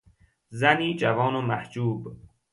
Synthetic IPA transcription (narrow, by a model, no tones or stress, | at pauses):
zæniːd͡ʒævɒːnomæhd͡ʒuːb